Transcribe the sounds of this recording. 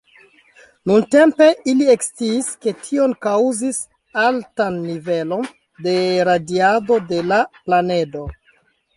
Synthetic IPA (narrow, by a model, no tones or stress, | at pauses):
nunte̞mpe̞ʔilie̞kst͡siːske̞tʰio̞nkawzis | altanːive̞lo̞n | de̞ɾadiado̞de̞laplane̞do̞